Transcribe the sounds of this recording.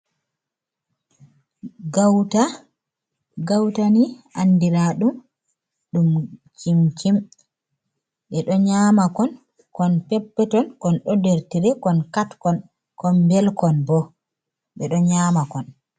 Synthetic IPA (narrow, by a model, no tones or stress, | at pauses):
ɡawta | ɡawtaniʔandiɾaɗum | ɗumkimkim | ɓɛɗɔɲamakɔn | kɔnpɛpːɛtɔnkɔnɗɔdeɾtiɾɛkɔnkatkɔn | kɔnbɛlkɔnbɔ | ɓɛɗɔɲamakɔn